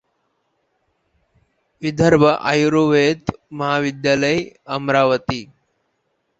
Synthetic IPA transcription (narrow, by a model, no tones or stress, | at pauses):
ʋid̪ʱəɾbʱəʔa̰juɾoːʋeːt̪mɐɦaːʋid̪jaːləjɐmɾaːʋət̪i